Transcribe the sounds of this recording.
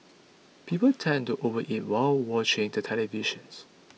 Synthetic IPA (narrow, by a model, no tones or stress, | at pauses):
pʰipəltʰɛ̃ntuʔovəʔit̚waɪlwɔt͡ʃɪ̃ŋtutʰɛliviʃə̃ns